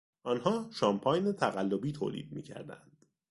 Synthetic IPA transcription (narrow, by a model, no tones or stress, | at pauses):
ʔɒːnhɒːʃɒmpʰɒːjnet̪ʰæɣælːobiːt̪ʰoːlḭːd̪̚mḭːcʰæ̰ɾd̪æ̰nd̪̥